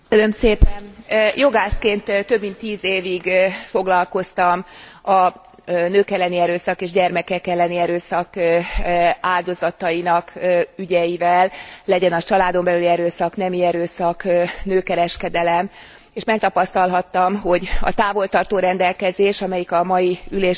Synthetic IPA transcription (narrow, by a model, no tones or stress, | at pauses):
kønømseːpɛnjo̞ɡaːskeːnt̪t̪ːø̞bmint̪ːiːzeːviɡfo̞ɡlɒlko̞st̪ɒmɒ | nøːkɛlːɛniɛɾøːsɒkeːʒɟɛrmɛkɛkɛlːɛniɛɾøːsɒk | aːld̪o̞zɒt̪ɒjinɒkyɟɛjivɛlːɛɟɛnɒt͡ʃɒlaːd̪o̞mbɛlyliɛɾøːsɒkn̪ɛmiɛɾøːsɒknøːkɛɾɛʃkɛd̪ɛlɛm | eːʃmɛk̚t̪ɒpɒst̪ɒlɦɒt̪ːɒmɦo̞ɟɒ̰t̪aːvo̞lt̪ɒrt̪oːɾɛnd̪ɛlkɛzeːʃɒmɛjikɒmɒjiyleːʃ